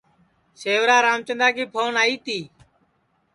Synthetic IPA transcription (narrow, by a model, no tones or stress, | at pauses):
seːʋɾaːɾaːmt͡ʃənd̪aːkiːpʰoːnaːiːt̪iː